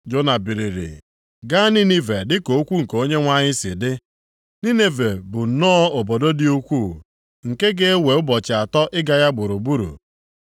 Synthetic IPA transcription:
d͡ʒo˦na˨bi˨ɾi˨ɾḭ˨ | ɡa˦ni˦ni˦ve˨dɪ˦ko˨o˦kʷu˦ŋ̩˨ko˦ɲe˦ŋʷa˦ɲɪ˦sɪ˨dɪ˦ | ni˦ne˦ve˨bʊ˨nɔː˦o˨bo˨do˦dɪ˦u˦kʷu˦˨ | ŋ̩˨ke˦ɡe˦e˦we˨ʊ˦bɔ˨t͡ʃɪ˨a˨tɔ˦ʔɪ˦ɡa˨ja˦ɡ͡bʊ˨ɾu˨bu˦ɾṵ˨

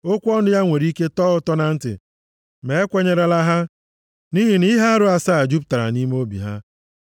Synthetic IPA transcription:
o˦kʷɔ˦nʊ˦ja˦ŋʷe˨ɾi˦ke˦tɔː˦ʊ˦tɔ˦na˨n̩˦tɪ̰˨ | me˨e˦kʷe˦ɲe˦ɾe˨la˦ɦa˦ | ni˦ɦi˨ni˦ɦa˦a˦ɾʊ˦a˨sa˦a˨d͡ʒu˦p̬̚ta˨ɾa̰˨ni˦m˦o˦bḭ˨ɦa̰˦

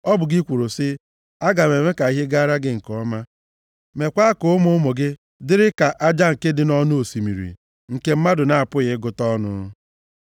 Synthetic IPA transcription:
ɔ˦bʊ˨ɡi˦kʷu˨ɾʊ˨sɪ˦ | a˦ɡa˨me˨me˦ka˨i˦ɦe˦ɡa˦ɾa˦ɡɪ˦ŋ̩˨kɔ˦ma˦ | me˨kʷa˦a˦kʊ˨ʊ˦mʊ˦mo˨ɡɪ˦ | dɪ˦ɾɪ˦ka˨ʔa˦d͡ʒa˦ŋ̩˨ke˦dɪ˨nɔ˦nʊ˦o˨si˨mḭ˨ɾḭ˨ | ŋ̩˨ke˦m̩˦ma˦dʊ˨na˨a˨pʊ˦ɣɪ˦ɡʊ˦tɔ˦nʊ̰˦

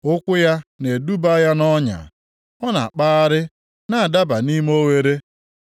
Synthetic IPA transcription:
ʊ˦kʷʊ˦ja˦ne˨du˦ba˦ja˦nɔ˦ɲa̰˨ | ɔ˦na̰˨k͡pa˦a˦ɾɪ˦ | na˨a˨da˦ba˨ni˦m˦o˦we˦ɾe˦

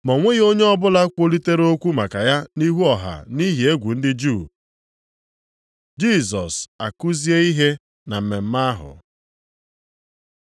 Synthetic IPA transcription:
mɔ˨ŋʷe˦ɣo˦ɲe˦ɔ˦bʊ˦la˦kʷo˦li˦te˦ɾe˦o˦kʷu˦ma˨ka˨ja˦ni˦ɦu˦ɔ˨ɦa̰˨ni˦ɦi˨e˦ɡʷu˨n̩˦dɪ˦d͡ʒu˦˨ | d͡ʒi˦˨sɔ˨sa˨ku˦zi˦e˦i˦ɦe˦ | na˨m̩˨me˨m̩˦ma˦a˦ɦʊ̰˨

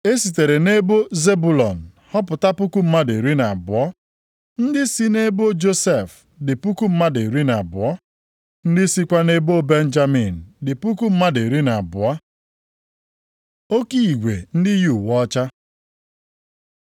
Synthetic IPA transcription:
e˦si˨t̬e˨ɾe˨ne˦bo˦ze˦bu˨lɔ˨n̩˨ | hɔ˦pʊ˨ta˦pʊ˦ku˦m̩˦ma˦de˨ɾi˦na˨bʊ̰˨ɔ˦ | n̩˦dɪ˦si˦ne˦bo˦d͡ʒo˦se˦˨f | dɪ˨pu˦ku˦m̩˦ma˦de˨ɾi˦na˨bʊ˨ɔ˦ | n̩˦dɪ˦si˦kʷa˦ne˦bo˦be˦n̩˦d͡ʒa˦mi˨n̩˨dɪ˨pu˦ku˦m̩˦ma˦de˨ɾi˦na˨a˨bʊ˨ɔ˦ | o˦ki˦i˨ɡʷe˨n̩˦dɪ˦ju˨wɔ˦t͡ʃa˦

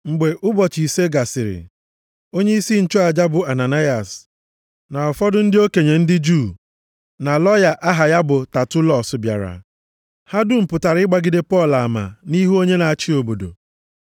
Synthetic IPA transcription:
ŋ͡m̩˨ɡ͡be˨ʔʊ˦bɔ˨t͡ʃi˨se˦ɡa˨sɪ˨ɾɪ̰˨ | o˦ɲe˦i˦si˦n̩˨t͡ʃɔ˦a˨d͡ʒa˦bʊ˨a˨na˨na˦ja˨s | na˨ɔ˨fɔ˦dʊ˦n̩˦dɪ˦o˦ke˨ɲe˨n̩˦dɪ˦d͡ʒu˦˨ | na˨lɔ˦ja˨ʔa˦ɦa˨ja˦bʊ˨ta˨tʊ˦lɔ˦˨sʊ˨bja̰˨ɾa̰˨ | ha˦dʊ˦m̩˨pʊ˨ta˨ɾɪ˦ɡ͡ba˦ɡɪ˦de˦pɔ˦˨la˨ma̰˨ni˦ɦu˦o˦ɲe˦na˨a˨t͡ʃi˦o˨bo˨do̰˨

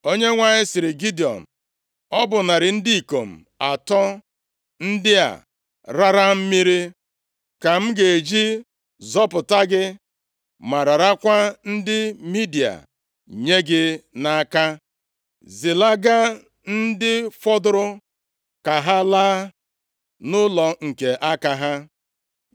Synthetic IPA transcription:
o˦ɲe˦ŋʷa˨ɲɪ˦sɪ˨ɾɪ˨ɡi˦di˨ɔ̰˨m̩˨ | ɔ˦bʊ˨na˨ɾɪ˨n̩˦di˦i˨ko˨m̩˨ | a˨tɔ˦ | n̩˦dɪ˦a̰˨ | ɾa˦ɾa˦m̩˦mi˦ɾi˦ | ka˨m̩˦ɡe˨e˨d͡ʒi˦ | zɔ˦pʊ˨ta˦ɡɪ˦ | ma˨ɾa˨ɾa˦kʷa˦n̩˦dɪ˦mi˦di˨a̰˨ | ɲe˦ɡɪ˦na˦ka˦ | zɪ˨la˦ɡa˦ | n̩˦dɪ˦fɔ˦dʊ˦ɾʊ˦ | ka˨ɦa˦laː˦ | nʊ˦lɔ˨ŋ̩˨ke˨ʔa˦ka˨ɦa˦

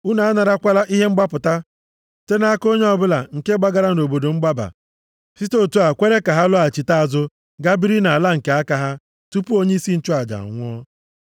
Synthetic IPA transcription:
u˦na˨a˦na˨ɾa˦kʷa˦la˦ʔi˦ɦe˦ŋ͡m̩˦ɡ͡ba˦pʊ˨ta˦ | te˦na˦ko˦ɲ˦ɔ˨bʊ˦la̰˨ŋ̩˨ke˦ɡ͡ba˦ɡa˦ɾa˦n̩˨o˨bo˨do˨ŋ͡m̩˦ɡ͡ba˦ba̰˨ | fi˦to˦˨tu˦a˨kʷe˦ɾe˦ka˨ɦa˦lʊ˦a˨t͡ʃi˨ta˦a˨zʊ˦ | ɡa˦bi˦ɾi˦na˨a˨la˦ŋ̩˨ke˨a˦ka˦ɦa˦ | tu˦pu˦o˦ɲe˦i˦si˦n̩˦t͡ʃʊ˦a˨d͡ʒa̰˨a̰˨ŋʷʊ˦ɔ˦

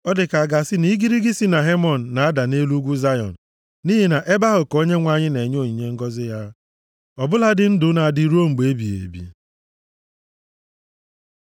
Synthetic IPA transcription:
ɔ˦dɪ˨ka˨a˨ɡa˨sɪ˦ni˦ɡi˦ɾi˦ɡɪ˦si˦na˨ɦe˦mɔ˨n̩˨na˨a˦da˨ne˦lu˦ɡʷu˦za˦jɔ̰˨n̩˨ | ni˦ɦe˨na˨ʔe˦ba˦ɦʊ˨ko˦ɲe˦ŋʷa˨ɲɪ˦ne˨ɲ˦o˦˨ɲi˨ɲe˦ŋ̩˦ɡɔ˦zɪ˦ja˦ | ɔ˨bʊ˦la˦dɪ˦n̩˦dʊ˦na˨dɪ˦ɾo˦ŋ͡m̩˨ɡ͡be˨e˦bi˨ḛ˨bḭ˨

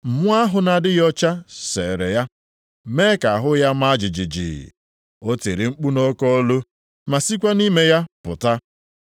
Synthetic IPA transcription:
m̩˨mʊ˦a˦ɦʊ˨na˨dɪ˦jɔ˦t͡ʃa˦se˨ɾe˨ja˦ | me˦ka˨a˨ɦʊ˦ja˦ma˦d͡ʒɪ˨d͡ʒɪ˨d͡ʒḭ˨ | o˦te˨ɾi˨ŋ͡m̩˦k͡pu˦no˦kɔ˦o˦lo˦ | ma˨si˦k̬ʷa˦ni˦me˦ja˦pʊ̰˨ta˦

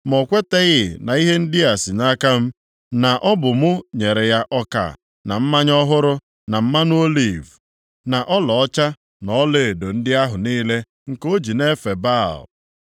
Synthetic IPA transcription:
mɔ˨kʷe˦te˦ɣɪ˨na˨i˦ɦe˦n̩˦dɪ˦a˨si˨na˦ka˦m̩˦ | na˨ʔɔ˦bʊ˨mʊ˦ɲe˨ɾe˨ja˦ʔɔ˦ka̰˨ | na˨m̩˦ma˦ɲɔ˦ɦʊ˦ɾʊ˦ | na˨m̩˦ma˦n˦o˦li˦˨v | na˨ʔɔ˦lɔ˨ɔ˦t͡ʃa˦ | nɔ˦le˨do˨n̩˦dɪ˦a˦ɦʊ˨niː˦le˦ | ŋ̩˨ko˦d͡ʒi˨ne˦fe˨ba˦˨l

